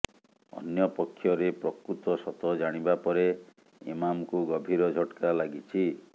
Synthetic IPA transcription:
ɔ̰njɔpɔkʰːjɔɾepɾɔkɾut̪ɔsɔt̪ɔd͡ʒaɽ̃ibapɔɾe | ḭmamkuɡɔbʱiɾɔd͡ʒʱɔʈkalaɡit͡ʃʰi

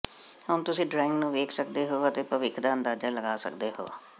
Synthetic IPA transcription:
hʊnt̪ʊsĩːɖɾaːɪŋɡnũːʋeːkʰsəkd̪eːɦoːət̪eːpəʋɪkʰd̪aːənd̪aːd͡ʒaːləɡaːsə̰kd̪eːɦo̰ːa̰ː

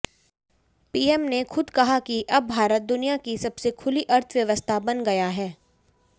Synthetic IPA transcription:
piːɛmnexʊd̪kɐɦakiʔɐb̚ːʱaːɾət̪̚d̪ʊnijakisɐbsekʰʊliʔɐɾt̪ʰʋjɐʋəst̪ʰabɐnɡɐjaɦɛː

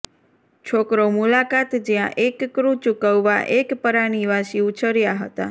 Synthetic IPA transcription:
t͡ʃʰokɾomulakat̪d͡ʒjã̰ʔekːɾũt͡ʃukəʋʋa̰ʔekpəɾaniʋaʃiut͡ʃəɾjaɦət̪a̰

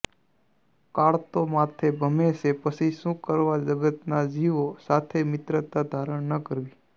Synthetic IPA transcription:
kaɭt̪omat̪ʰebʱəmeʃepəsʰiʃũkəɾʋad͡ʒəɡət̪nad͡ʒiʋosat̪ʰemɪt̪ɾət̪ad̪ʱaɾəɳnəkəɾʋi

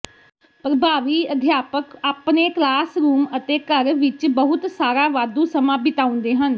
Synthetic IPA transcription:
pɾəbʱaːʋiːəd̪ʱjaːpəkaːpneːklaːsɾuːmət̪eːkəɾʋɪt͡ʃbəɦʊt̪saːɾaːʋaːd̪ũːsəmãːbɪt̪aːʊ̃nd̪eːɦən

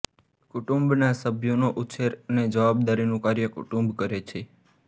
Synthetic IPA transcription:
kuʈumbnasəbʱjonoʔuʃʰeɾəned͡ʒəʋabd̪aɾinũkaɾjəkʊ̰ʈũmbkəɾet͡ʃʰe

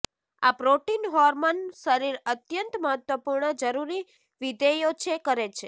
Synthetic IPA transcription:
a̰pɾoʈinɦɔɾmonʃəɾiɾət̪jənt̪məɦət̪ʋəpuɾɳəd͡ʒəɾuɾi | ʋid̪ejot͡ʃʰekəɾet͡ʃʰe

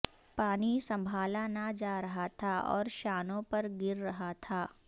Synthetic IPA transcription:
paːnisɐ̃mbʱaːlanɐd͡ʒaːɾɐɦat̪ʰaɔ̰ːɾʃaːnõpɐɾɡɪɾːɐɦat̪ʰaː

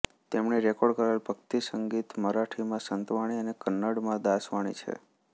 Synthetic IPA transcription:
t̪emɳeɾɛkɔɽkəɾalbʱəkt̪isəŋɡit̪məɾaʈʰimãsənt̪ʋaɽ̃iənekənːəɽmãd̪asʋaɽ̃ḭt͡ʃʰḛ

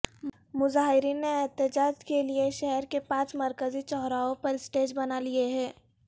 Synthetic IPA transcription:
mʊzaːɦɪɾiːnːeɛɦt̪ɪd͡ʒaːd͡ʒkelieʃɛɦɛɾkepãːt͡ʃmɐɾkəzit͡ʃɔːɦɾaːõpɐɾɪsʈeːd͡ʒbɐnalieɦɛ̃ː

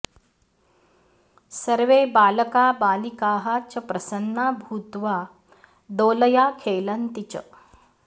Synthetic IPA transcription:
sɐɾʋeːbaːlɐkaːbaːlikaːɦɐt͡ʃɐpɾɐsɐnːaːbʱuːt̪ʋaː | d̪oːlɐjaːkʰeːlɐnt̪it͡ʃɐ̰

